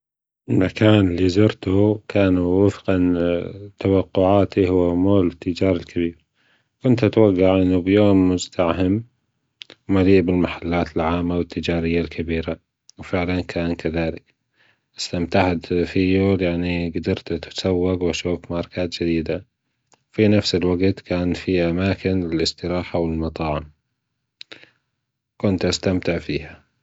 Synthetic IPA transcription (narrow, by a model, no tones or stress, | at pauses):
ʔɪlmakaːnɪlːizʊɾt̪ukʰaːnuwɪfqɑnt̪awɑqːʊʕaːt̪ihʊwːamoːlɪt̪ːɪd͡ʒaːɾˤalkabiːɾ | kʊnt̪at̪waɡːaʕʔɪnːubjoːmːʊzt̪ahɪm | wmaliːʔbɪlmaħalːaːt̪ɪlʕaːmːawɪt̪ʰːɪd͡ʒaːɾɪjːalkʰabiːɾa | wfɪʕlankʰaːnkaðaːlɪk | ʔɪst̪amt̪aʕfijoːljaʕniɡad̪ɑɾˤt̪t̪sawːaɡwaʃuːfmaʕɾˤɑkaːt̪d͡ʒɪd̪iːd̪a | wfinafsɪlwaɡt̪kaːnfiʔamaːkɪnɪlɪst̪ɪɾaːħawɪlmɑt̪ˤɑːʕɪm | kʊnt̪ʔast̪amt̪ɪʕfiːha